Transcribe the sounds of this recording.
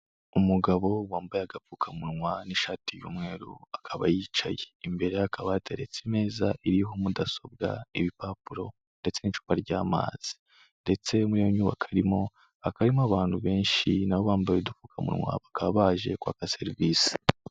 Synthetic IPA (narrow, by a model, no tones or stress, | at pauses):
umuɡaβo̞waːmbajaɡafuːkʰamuɾŋwaniʃaːtijṵːmŋe̞ːɾṵakʰaβa̰jiːt͡ʃa̰jeːmbe̞ɾe̞akʰaβatʰeɾet͡sime̞ːzaʔiɾiɦo̞mudaso̞b̚ɡa̰iβipapuɾo̞ | nde̞t͡se̞nit͡ʃu̥ːkaɾɟaːma̰ːz̥i̥ | nde̞t͡se̞muɾijoɲuːβa̰kʰaɾimo̞ | akaɾimoaβaːnhuβe̞ːnʃinawo̞βaːmbajodufuːkʰamṵɾŋwa̰βakaβaːʒe̞̰kwa̰ːkase̞ɾiviːsi̥